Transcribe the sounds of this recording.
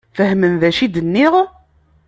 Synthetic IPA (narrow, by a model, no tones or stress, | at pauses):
fəhmənðæʃid̪ənːiʁ